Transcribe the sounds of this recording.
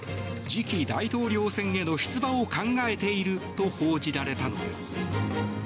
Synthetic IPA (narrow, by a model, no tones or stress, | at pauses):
d͡ʑikʲid̪ait̪o̞ːɾʲo̞ːsẽ̞ŋe̞no̞ɕi̥t͡sɨbãokãŋɡae̞t̪e̞iɾɯ̟t̪o̞hoːd͡ʑiɾaɾe̞t̪ano̞d̪e̞sɨ̥